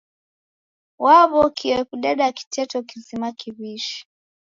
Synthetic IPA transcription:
waβɔkʰiwɛkuɗɛɗaki̥tɛtɔkizimakiβiʃi̥

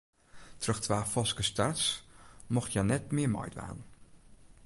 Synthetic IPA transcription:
trɵxtʋaːfɔskəstarsmɔχjanɛtmɪːəmɑ̰jtʋa̰ːn

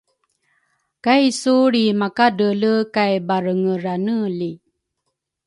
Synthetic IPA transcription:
kajsuɾimakadələkajbaɾəŋəɾanəli

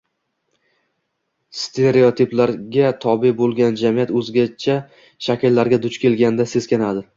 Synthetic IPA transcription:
st̪ʰe̞ɾe̞ot̪ʰɪplaɾɡʲat̪ʰɒbɪbolˠɡʲand͡ʒamijat̪ɵzɡʲat͡ʃʰa | ʃakʲɪlːaɾɡʲad̪ʊt͡ʃkʲʰe̞lɡʲand̪ase̞z̥kʲanad̪ɪ

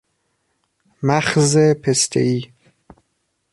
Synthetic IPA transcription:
mæχzepʰest̪ʰḛiː

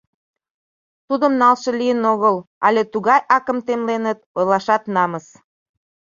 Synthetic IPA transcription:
t̪ud̪əmnɑlʃɤ̆lijənoɣəlɑ̰lʲet̪uɣɑjɑkəmt̪emlenət̪̚ɤlɑʃɑt̪nɑməs

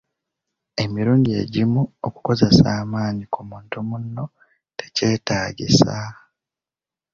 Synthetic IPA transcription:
e̞miɾuːndie̞̰ɟimuo̰ku̥ko̞ze̞saːmaːɲikumuːntumunːo̞ | tʰe̞ce̞ːtaːɟḭsa

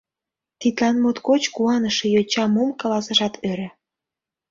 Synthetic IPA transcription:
t̪it̪lɑnmot̪kot͡ɕkuɑnəʃĕjot͡ɕɑmomkɑlɑsəʃɑt̪ʰøɾĕ

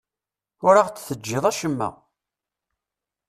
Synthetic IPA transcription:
ʊɾaʁt͡sːθəd͡ʒːɪðˤæʃəmːæ̰

